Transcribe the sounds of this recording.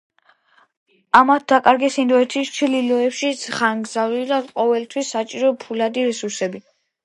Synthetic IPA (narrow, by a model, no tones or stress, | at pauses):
amat̪̚d̪akʼaɾɡɛsind̪ɔɛt̪ʰist͡ʃʰlilɔɛpʃisʰχaŋɡzavidaqʼɔvɛlt̪ʰwisːat͡ʃʼiɾɔpʰulad̪iɾɛsuɾsɛbi